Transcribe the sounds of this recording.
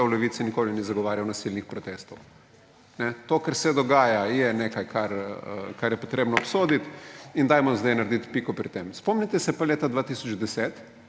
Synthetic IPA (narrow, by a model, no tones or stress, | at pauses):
ɛwlɛʋiːt̪sinikoːlinizaɡɔʋaːɾjawnasilnixpɾɔt̪eːst̪ɔw | nɛt̪okɛɾsɛd̪ɔɡaːjajɛnekajkʰaɾə̰kaɾjɛpɔt̪ɾʔeːbnɔːpsod̪it̪ind̪ajmɔzd̪ajnaɾd̪it̪pikɔpɾit̪emspɔmnit̪ɛsɛpaleːt̪ad̪ʋaːt̪isɔd͡ʒd̪ɛset̪